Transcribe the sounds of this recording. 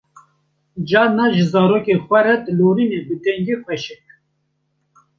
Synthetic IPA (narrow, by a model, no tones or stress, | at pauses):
d͡ʒɑːnɑʒɨzɑːɾoːkexʷɛɾɛt̪loːɾinebɨt̪ɛŋɡexʷɛʃɛk̚